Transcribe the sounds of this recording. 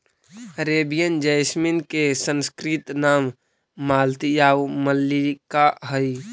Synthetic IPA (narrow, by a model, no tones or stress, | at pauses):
ɾebijənd͡ʒəɪsminkesənskɾit̪namː | aːlt̪ijaʋməlːikaɦəj